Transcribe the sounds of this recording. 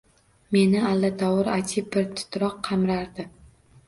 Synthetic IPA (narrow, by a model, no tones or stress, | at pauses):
me̞nɪalːat̪ʰɒwʊɾat̪ʰɪbɪɾt̪ʰʊ̥t̪ɾɒqʰːɑmɾaɾd̪ɪ